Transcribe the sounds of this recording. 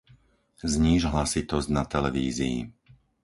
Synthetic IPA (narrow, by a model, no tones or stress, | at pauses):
zɲiːʒɦlasit̪ɔzɟnat̪ɛlɛʋiːziḭ